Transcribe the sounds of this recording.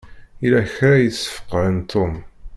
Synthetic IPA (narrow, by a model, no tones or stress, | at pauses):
ilæçɾajəθsə̥fə̥qːɾənt̪ʰːom